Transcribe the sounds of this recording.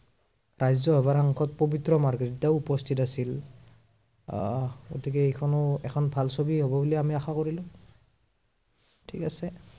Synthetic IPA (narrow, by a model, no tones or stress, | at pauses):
ɹajzɔɦɔβaɹaŋkʰɔt̚pobitɹɔmaɹɡiɹitaʊupɔstʰitasil | ɡo̰tʰikɛejkʰɔnɔɛkʰɔnbʱalsobiɦobɔbuliamiaxakoɹilʊ̃ | tʰikasɛ